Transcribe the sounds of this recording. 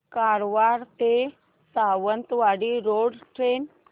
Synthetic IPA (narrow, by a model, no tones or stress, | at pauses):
kaɾʋaɾt̪e | saʋənt̪ʋaɽiːɾoɽʈɾen